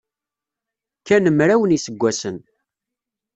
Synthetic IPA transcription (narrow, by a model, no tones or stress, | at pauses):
kːænəmɾæwənisəɡʷːæsən